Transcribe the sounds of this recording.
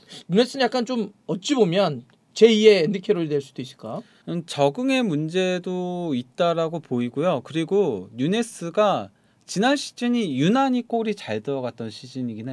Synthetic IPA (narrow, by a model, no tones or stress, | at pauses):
ɲunes͈ɯnjak͈ant͡ɕomʌt̚t͡ɕ͈ibomjʌn | t͡ɕe̞ie̞ːndɯkʰeɾoɾidwe̞ɭs͈ud̥ois͈ɯ̥ɭk͈a | nt͡ɕʌɡɯŋe̞mund͡ʑe̞doit̚t͈aɾaɡopoiɡojokɯɾiɡoɲune̞s͈ʰɯɡa | t͡ɕinanɕʰi̥t͡ɕ͈ʰiɲijunaɲik͈oɾit͡ɕaɭdɯɾʌɡat̚t͈ʌnɕʰid͡ʑiɲiɡina